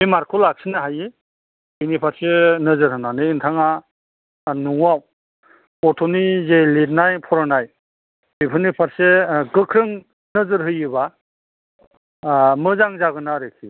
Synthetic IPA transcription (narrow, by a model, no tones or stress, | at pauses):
mimaɾkʰulak̚sinaɦaji | binipʰaɾsenɯzɯɾɦɯnanɯːntʰaŋa | nuŋwaw | pɔtʰɔnizelid̚najpʰɔɾanaj | bipʰɯnipʰaɾseɡɯkʰɾɯŋ | nɯzɯɾɦɯjɯba | mɯzaŋzaɡɯnaɾekʰḭ